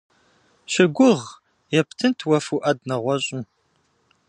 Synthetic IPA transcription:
ɕɪɡʷʊʁ | jɛptʰɨntʰwɐfuʔɐd̚nɐʁʷɔɕʼɪ

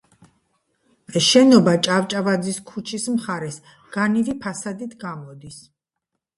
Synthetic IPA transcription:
ɛsʃɛnɔbat͡ʃʼavt͡ʃʼavad̪ziskʰut͡ʃʰismχaɾɛs | ɡ̥anivipʰasad̪it̪ʰɡamɔd̪is

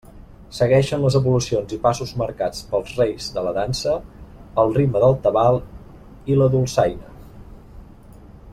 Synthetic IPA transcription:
səɣɛʃənləzəβulusionzipasuzməɾkat͡spəlˠzrejzðələðansəəlˠriməðəlˠt̪əβalˠ | iləðulˠsajnə

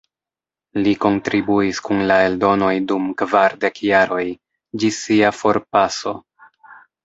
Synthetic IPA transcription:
liko̞ntɾibuiskunlae̞ldo̞no̞jdumkvaɾde̞kjaɾo̞j | d͡ʒisiafo̞ɾpaso̞

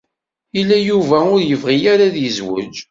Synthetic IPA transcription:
ilːæjuvæʊɾjəvʁijaɾaðjəzwə̰d͡ʒ

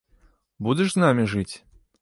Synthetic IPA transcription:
bud̪ʲɛʂznamʲiʐɨt͡sʲ

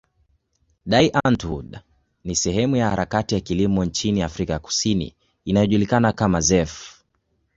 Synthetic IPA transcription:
ɗaiʔantuɗ | nisɛɦɛmujahaɾakatijakilimɔɲt͡ʃiniafɾikaku̥sinḭː | najɔʄulikanakamazɛf

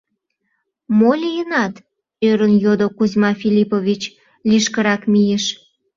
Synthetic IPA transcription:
molʲijənɑt̪ | øɾənjod̪okuzʲmɑfʲilʲipovʲit͡ɕ | liʃkəɾɑkmijeʃ

